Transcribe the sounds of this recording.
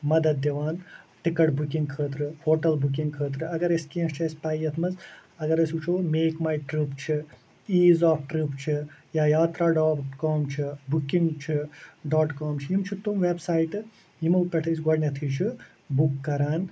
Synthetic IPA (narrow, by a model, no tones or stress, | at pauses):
mɐd̪ɐd̪̚ːɐʋaːnʈikɐʈbukiŋɡkʰəːt̪ɾɨhoːʈɐlbuk̬iŋɡkʰəːt̪̬ɾɨɐɡɐɾɐskiːɐ̃st͡ʃʰɐspaːjɐt̪ʰmɐzɐɡɐɾɐsuːt͡ʃʰoːmeːkmaːjʈɾuːpt͡ʃʰi | iːzaːfʈɾuːpt͡ʃʰijaːjaːt̪ɾaːɖaːʈkɔːmt͡ʃʰibukiŋɡt͡ʃʰiɖaːʈkaːmt͡ʃʰijimt͡ʃʰit̪umʋeːbsaːjʈɨ | jimɐwpɐʈʰɐsɡɐɖnʲɐt̪ʰiːt͡ʃʰi | bukːɐɾaːn